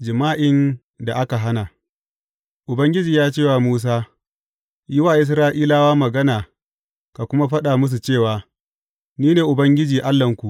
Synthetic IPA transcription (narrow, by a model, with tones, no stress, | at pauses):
d͡ʒɪ˨maː˦ʔɪ˦n | da˨ʔa˦ka˨ɦa˦na˨ | ʔʊ˨bɐ˦ŋɡʲɪ˦d͡ʒiː˨jaː˦t͡ʃeː˦˨waː˨muː˦s̬aː˦ | jɪ˦waː˨ʔɪ˦s̬ɾaː˦ʔiː˦laː˦waː˦mɐ˨ɡɐ˦naː˨ | ka˨kʷʊ˦ma˦ɸɐ˦ɗaː˨mʊ˦s̬u˨t͡ʃeː˦˨waː˨ | niː˦neː˨ʔʊ˨bɐ˦ŋɡʲɪ˦d͡ʒiː˨ʔa˦lːɐ˨ŋkʷu˨ʔ